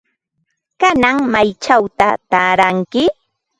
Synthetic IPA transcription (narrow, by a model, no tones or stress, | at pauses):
kanaŋmajt͡ʃawt̪at̪aːɾaŋkɪ